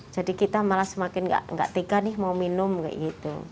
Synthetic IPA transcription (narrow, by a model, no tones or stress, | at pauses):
d͡ʒ̥adikit̪amalahsəmakɪnɡa̰ʔŋɡa̰ʔt̪eɡanɪhmawminʊmka̰ʔɡit̪ṵ